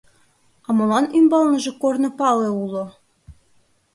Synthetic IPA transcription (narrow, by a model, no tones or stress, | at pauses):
ɑmolɑnymbɑlˠnɤ̆ʒĕkornɤ̆pɑleulˠŏ